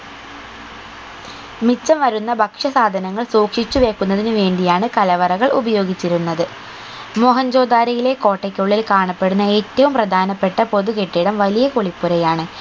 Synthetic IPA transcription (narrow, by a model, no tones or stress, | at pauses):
mit͡ɕːɐmʋɐɾunːɐbʱɐkʂɐsaːd̪ʱɐnɐŋːɐɭsuːkʂit͡ɕːuʋe̞ːkːunːɐðinɨʋe̞ːɳɖijaːɳɨkɐlɐʋɐrɐɣɐɭubɐjo̞ːɡit͡ɕːiɾunːɐðɨ | moɦɐɲd͡ʑo̞ːd̪aːɾɐjile̞ko̞ːʈːɐkʲːoɭːilkaːɳɐpːe̞ɽunːɐeːtːɐʋumprɐd̪ʱaːnɐpːe̞ʈːɐpo̞ðuke̞ʈːiɽɐmʋɐlijɐko̞ɭipːuɾɐjaːɳɨ